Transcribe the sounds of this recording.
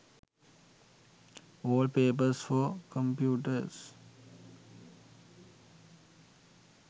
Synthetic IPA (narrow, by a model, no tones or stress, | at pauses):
oːlɖpeːpəɾsfɔkə̃mpjuːʈəɾs